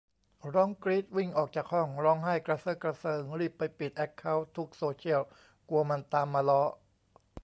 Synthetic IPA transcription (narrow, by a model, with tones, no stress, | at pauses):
ɾɔ˦˥ŋkɾiː˦˥t̪̚wi˥˩ŋʔɔː˨˩k̚t͡ɕaː˨˩k̚hɔ˥˩ŋɾɔː˦˥ŋɦaː˥˩jkɾa˧sɤː˦˥˩kɾa˧sɤː˧ŋɾiː˧˩pːa˧jpi˨˩t̪̚ʔɛ˦˥kʰːa˦˥wt̪ʰu˦˥k̚soː˧t͡ɕʰi˥˩əw | ku˧ɐma˧nt̪aː˧mːaː˧lɔ˦˥ʔ